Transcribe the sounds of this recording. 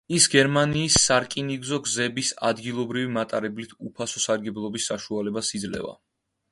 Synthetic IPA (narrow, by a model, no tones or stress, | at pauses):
isɡɛɾmaniːsːaɾkʼiniɡzɔɡzɛbisa̰d̪ɡilˠɔbɾivimat̪ʼaɾɛblit̪ʰupʰasɔsaɾɡɛblˠɔbisːaʃualɛbasid̪zlɛ̰va̰